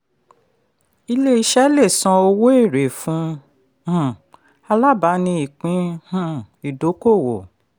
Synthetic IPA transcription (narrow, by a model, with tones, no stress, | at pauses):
i˧le˦i˧˦ʃɛ˦le˦˨sɔ̃˧o˧wo˦e˦˨ɾe˨fũ˨˦ | hũ˨ | a˧la˦˨ba˨˦nĩ˧i˨k͡pĩ˨˦hũ˦˨ | i˨do˨˦ko˦˨wo˨